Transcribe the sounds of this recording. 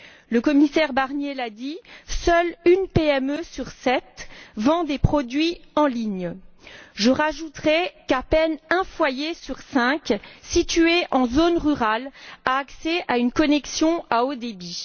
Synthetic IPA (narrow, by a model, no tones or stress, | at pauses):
ləkɔmisɛʁbaʁnjelad̪isœlynpeɛmøsyʁsɛt̪vɑ̃d̪epχɔd̪ɥiɑ̃liɲ | ʒəʁaʒut̪χɛkapɛnɛ̃fwajesyʁsɛ̃ksit̪yeʔɑ̃zonʁyʁalaːksɛʔaynkɔnɛksjɔ̃aod̪ebi